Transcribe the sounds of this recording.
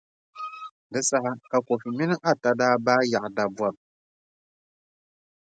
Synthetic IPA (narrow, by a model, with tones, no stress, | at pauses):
dɨ˦sa˦ɦa˦ka˨ko˨fi˨mɪ˦nɨ˦ʔa˦ta˨daː˦baː˦ja˨ʔda˨bwa˨b̚